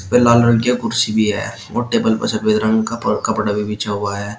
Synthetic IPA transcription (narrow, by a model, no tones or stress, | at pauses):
pelaːlɾə̃ŋɡijakʊɾsibʱiɦɛ̰ː | oːʈeːbəlpə̰sɐɾbeːd̪ɾə̃ŋɡkakɐpɽabʱibʱit͡ʃaʊwaɦɛː